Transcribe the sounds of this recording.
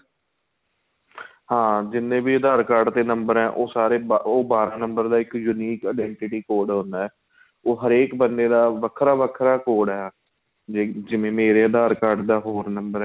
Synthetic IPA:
hãːd͡ʒɪnːẽːbiːəd̪aːɾkaːɾɖt̪eːnəmbəɾɦɛ̃ːʔoːsaːɾeːoːbaːɾãːnəmbəɾd̪aːɪkjuniːkaːɖɛːɳʈɪʈiːkoːɽɦõnd̪aːɦɛː | oːɦəɾeːkbənd̪eːd̪aːʋəkʰɾaːʋəkʰɾaːkoːɽɛːaː | d͡ʒed͡ʒɪʋẽːmeːɾeːəd̪aːɾkaːɾɖd̪aːɦoːɾnəmbəɾɛ

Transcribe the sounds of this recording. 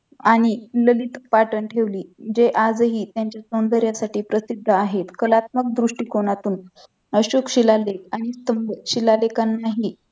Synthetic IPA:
aɽ̃iləlit̪paʈəɳʈʰeʋliːd͡ʑeʔad͡zɦiːt̪jaɲt͡ɕjasond̪əɾjasaʈiːpɾəsid̪ʱːəaɦet̪kəlat̪̚mək̚d̪ɾuʂʈiːkoɽ̃at̪uːn | əɕokɕilalekaɽ̃ist̪əmbəɕilalekanːaɦiː

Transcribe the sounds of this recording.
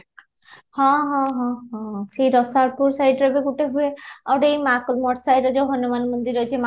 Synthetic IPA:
hɔ̃ɦɔ̃ɦɔ̃ɦɔ̃ʃejɾɔsaɾpuɾsajɖɾɔbeɡuʈeɦueaɾejmakmɔʈsajɖɔd͡ʑɔɦɔnomanmond̪iɾɔet͡ɕʰema

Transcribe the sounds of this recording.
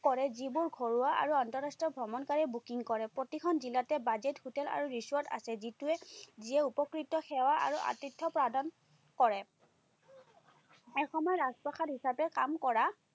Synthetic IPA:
kɔɹɛzibʊɹɡʱoɹuaʔa̰ɹuantɔɹastɔbʱɹɔmɔnkaɹiɛbukiŋkɔɹɛpɹotixʰɔnzilatɛbazɛthutɛla̰ɹuɹisɔta̰sɛzituɛziɛupɔkɹitɔxɛwaʔa̰ɹuʔa̰titʰːɔpɹadʱɔn | kɔɹɛ | ɛxɔmɔjɛɹazpɔxadɦisapɛkamkɔɹa

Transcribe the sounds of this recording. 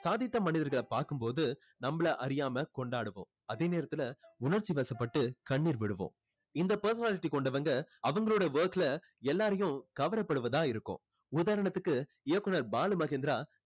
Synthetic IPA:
saːðɪt̪ːɐmɐnɪðɐɾɣɐɭɐpaːɾkɯmpoːðɯ | nɐmːɐɭɐʔɐɾɪjaːmɐkɔɳɖaːɽɯʋõ̰ː | ɐðeːneːɾɐt̪ːɪlɐʊnɐɾt͡ʃːiʋɐːsɐpːɐʈːɯkɐɳːiːɾʋɪɽɯʋõ̰ː | ɪnd̪ɐpɐɾs̬ɐnaːlɪʈːikɔɳɖɐʋɐŋɡɐɐʋɐŋɡɐɭoːɽɐʋɐːklɐ | ɛlːaːɾɐjʊ̃kɐʋɐɾɐpːɐɽɯʋɐðãːɪɾɯkːʊ̰̃ː | ʊðaːɾɐɳɐt̪ːɯkːɯ | ɪjɐkːʊnɐɾbaːlɯmɐɣend̪ɾaː

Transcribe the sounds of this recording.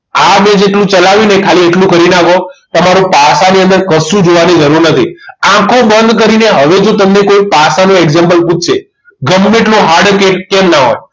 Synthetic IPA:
amẽd͡ʒeʈlũt͡ʃəlaʋinekʰalieʈlũkəɾinakot̪əmaɾũpasaniə̃nd̪əɾkəsũd͡ʒoʋanid͡ʒəɾuɾnət̪ʰḭãkʰũbənd̪k̬əɾineɦəʋed͡ʒot̪əmnekoipasanũeɡzempəlpũt͡ʃʰʃe | ɡəmːeʈlũɦaɾɖkeʈ̚kẽmnaɦo̰j

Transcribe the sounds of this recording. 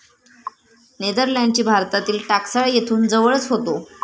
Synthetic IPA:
ned̪əɾlãɳɖt͡ɕiːbʱaɾt̪at̪iːlʈaksaɭjet̪ʰuːnd͡zəʋəɭət͡sɦot̪o

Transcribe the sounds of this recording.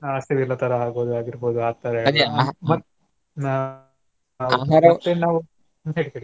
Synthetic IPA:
aːsɐʋɛlːɐt̪ɐɾɐɦaːɡoːd̪uaːɡiɾboːd̪uaːɡ̚t̪aːɾemɐ | na | ɾɐt̪ːenaːʋu | ɦeːɽikeːɽi

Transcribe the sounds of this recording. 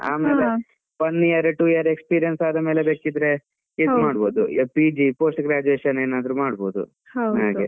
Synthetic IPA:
a̰ːmeːle | ʋɐnːiːjɐɾeʈuːijɐɾekspiːɾijɐnsaːd̪ɐmeːlebeːkid̪ɾe̞ | id̪maːɽbo̞ːd̪upid͡ʒipoːsʈɡɾaːd͡ʒuʋeːʃɐneːnaːd̪ɐɾumaːɽbo̞̰ːd̪ṵ | ɦoɦaːɡe

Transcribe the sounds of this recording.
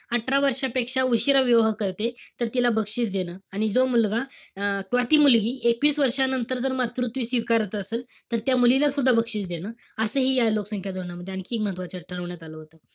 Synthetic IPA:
əʈʰɾaʋəɾʂapekʂauɕiɾəʋjəʋɦkəɾt̪et̪əɾt̪ilabəkʂiːt͡sd̪enəːaɽ̃id͡zomulɡakʋat̪iːmulɡiːʔekʋiːsʋəɾʂanənt̪əɾd͡zəɾmat̪ɾut̪ʋiːsʋikaɾət̪əəseːlt̪əɾt̪jamulilasud̪ʱːabəkʂiːt͡sd̪enəː | əsəːɦiːjaloksəŋkʰjad̪ʱoɾɳaməd̪ʱːjeənkʰiːkməɦət̪ʋat͡ɕəʈʰəɾəʋɳjat̪aləɦot̪ə

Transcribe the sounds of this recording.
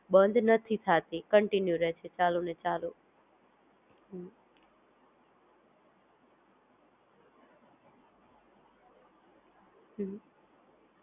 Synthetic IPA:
bə̃nd̪ʱnət̪ʰit̪ʰat̪ikəɳʈinjuɾɛɦt͡ʃʰet͡ʃalunet͡ʃalu | ɦ | ɦ

